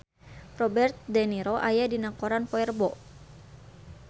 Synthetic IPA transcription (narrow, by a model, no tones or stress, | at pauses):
rɔbɛrt̪̚dɛniɾɔʔajadinakoɾanpɔɛrbɔ